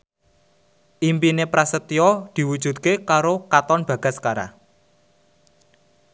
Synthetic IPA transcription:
ʔimpinepɾasət̪iɔd̪̥i̤wud̥ʒ̥ṳt̪̚kekaɾokat̪ɔnb̥a̤ɡ̥a̤skaɾa̰

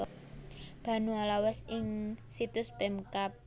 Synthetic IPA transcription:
b̥a̤nualawɛsɪŋsit̪ʊspɛmkap̚

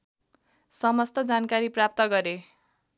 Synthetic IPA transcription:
sʌmʌst̪ʌd͡zankaɾiprap̚t̪ʌɡʌɾe

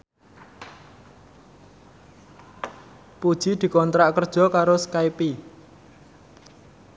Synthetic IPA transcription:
pud̥ʒ̥i̤d̪̥i̤kɔnt̪ɾaʔkərd̥ʒ̥ɔ̤kaɾoskajpi

